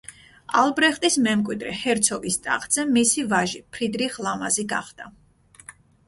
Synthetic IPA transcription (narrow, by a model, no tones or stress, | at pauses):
alˠbɾɛχt̪ʼismɛmkʼwid̪ɾɛ̰hɛɾt̪sʰɔɡist̪ʼa̰χʼd̪z̥ɛmisivaʒipʰɾid̪ɾiχlˠamaziɡaχd̪̥a